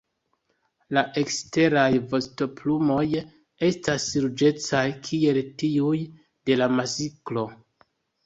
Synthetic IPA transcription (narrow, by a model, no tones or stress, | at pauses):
laʔe̞kste̞ɾajvo̞sto̞plumo̞j | e̞stasɾud͡ʒe̞t͡sajkʰie̞ltiuj | de̞lamasiklo̞